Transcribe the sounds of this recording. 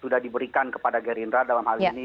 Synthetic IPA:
sudahdibəɾikankə̥padaɡɛɾinɾadalamhalini

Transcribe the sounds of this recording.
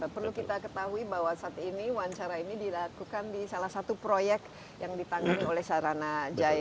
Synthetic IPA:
pərlukit̪akət̪aɦuibaɦwasaːt̪iniwaɲt͡ʃaɾainidilakukandisalahsat̪upɾojɛk | jaŋdit̪aŋɡaniolɛhsaɾanad͡ʒaj

